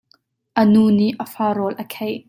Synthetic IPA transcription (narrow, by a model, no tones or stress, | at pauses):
ʔənuːniʔəfaːɾɔlʔəkʰej